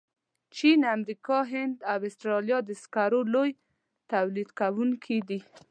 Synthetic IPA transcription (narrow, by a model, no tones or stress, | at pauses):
t͡ʃinamɾikɑɦɪnd̪awɪst̪ɾɑljɑd̪əskaɾoloj | t̪awlid̪kawuŋkʰid̪i